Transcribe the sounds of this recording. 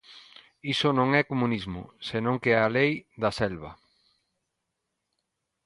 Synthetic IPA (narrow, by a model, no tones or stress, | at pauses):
isʊnõŋɛkomunizmʊ̰senõŋkeɛalejd̪ɐsɛlβɐ